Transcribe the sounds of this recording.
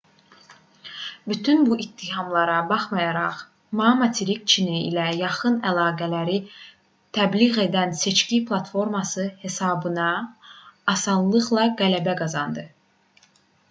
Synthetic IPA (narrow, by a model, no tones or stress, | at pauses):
byt̪ʰynbuʔit̪ʰːiɦɑmlˠɑɾɑbɑχmɑjɑɾɑχ | mɑmɑt̪ʰiɾik̚t͡ʃʰiniḭlæjɑχɯnælˠɑːɡælæɾi | t̪ʰæbliɣe̞d̪ænse̞t͡ʃcipʰlˠɑt̪fo̞ɾmɑsɯhe̞sɑːbɯnɑː | sɑnlˠɯʁlˠɑɡælæbæɡɑzɑnd̪ɯ